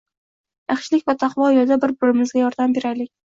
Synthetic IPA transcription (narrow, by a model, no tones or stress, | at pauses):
jɑχʃlɪkʲvat̪ʰɑqvɒjɒd̪abɪɾbʊɾɪmɪzɡʲajɒɾd̪ambe̞ɾalɪkʲ